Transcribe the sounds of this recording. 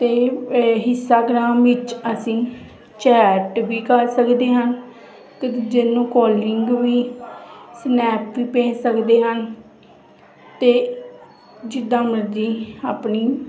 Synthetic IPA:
t̪eːɦɪsaːɡɾaːmʋɪt͡ʃəsĩː | t͡ʃɛːʈʋiːkəɾsəkd̪eːɦən | kd͡ʒɪnːõːkɔːlɪŋɡʋiː | snɛːpʋiːpɛ̃ːsəkd̪eːɦən | t̪eː | d͡ʒɪd̪ãːməɾd̪iːaːpniː

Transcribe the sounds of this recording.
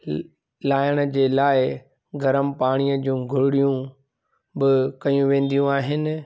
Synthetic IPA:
laːjəɽ̃ə̆d͡ʑeːlaːɪ | ɡɐɾəmpaːɽ̃ijəd͡ʑũːɡʱʊɽɪɽijũ | bɪkɐjũʋẽːn̆d̪ijũaːɦɪnɪ̆

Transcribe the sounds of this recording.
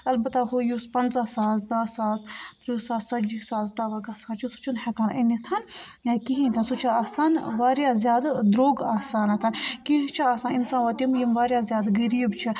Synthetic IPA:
ɐlbɐt̪aɦujuspɐnzaːsaːzd̪aːsaːzt̪ɾusaːzsɐd͡ʒisaːzd̪aʋɐɡasaːt͡ʃʰusu̥t͡ʃʰunhɐkaːnʔinit̪ʰanakiɦĩnt̪ʰansut͡ʃʰaasaːnʋaːɾjaːzʲjaːd̪d̪ɾoːɡaːsaːnɐt̪ʰankiɦt͡ʃʰiaːsaːninsaːnʋɐt̪imjimʋaːɾʲjaːzʲjaːd̪ɡɐɾiːbt͡ʃʰi

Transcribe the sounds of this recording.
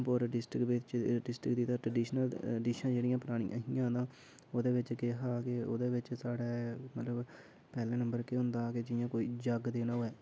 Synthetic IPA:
poɾɖɪsʈɾɪkʋɪt͡ʃɖɪsʈɾɪkd̪iːt̪ãːʈɾəɖiːʃnəlɖiːʃnãːd͡ʒeːɽijãːpəɾaːɽ̃ḭ̃ːɦiːjãːd̪ãː | oːd̪eːʋɪt͡ʃkeɦaːkɪo̰ːd̪eːʋɪt͡ʃsaːɽɛːmət̪ləb | pɛːlɛ̃ːnə̃mbəɾkeɦʊ̃nd̪aːkɪd͡ʒɪjãːkoːiːd͡ʒəɡd̪eːnãːɦoːɛː

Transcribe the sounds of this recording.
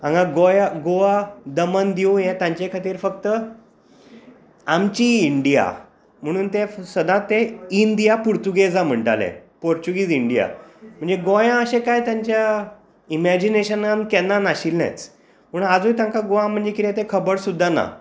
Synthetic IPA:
ãŋɡãɡojaɡoʋad̪əmand̪iũjẽt̪jãɲt͡ɕekʰat̪iːɾfək̚t̪ə | amt͡ɕiːɳɖija̰ | m̤əɽ̃uːnt̪esəd̪ʱãt̪eind̪ijapuɾt̪uɡed͡zam̤əɳʈalḛ̃poɾt͡ɕuɡiːd͡ziɳɖija̰m̤əɳd͡zeɡojãəɕekajt̪jaɲt͡ɕja | imæd͡ʑineɕənankɛnːanaɕilnɛ̰t͡s | məɳad͡zuːjt̪jãŋkaɡoʋãm̤əɳd͡zekit̪ẽt̪ẽkʰəbəɽsud̪ʱːana̰

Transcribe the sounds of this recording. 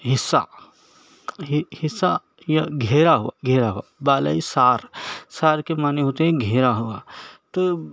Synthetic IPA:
ɦɪsːa̰ | ɦhɪsːa | jaɡʱeːɾaɦʊʋaɡʱeːɾaɦʊabaːla̰isaːɾsaːɾkemaːneɦoːt̪eɦɛ̃ɡʱeːɾaɦuat̪o

